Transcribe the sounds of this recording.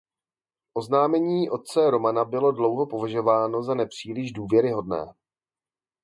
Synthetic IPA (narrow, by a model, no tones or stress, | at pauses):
ʔo̞znaːmɛɲiːʔo̞t̪̚t͡sɛɾo̞manabɪlo̞dlo̞wɦo̞po̞vaʒo̞vaːno̞zanɛpr̝̥iːlɪʒduːvjɛɾɪɦo̞dnɛ̰ː